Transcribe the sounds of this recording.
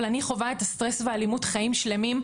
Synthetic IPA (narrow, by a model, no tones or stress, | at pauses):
laniχo̞vaetast̪ʁesvealimutχaimʃle̞mim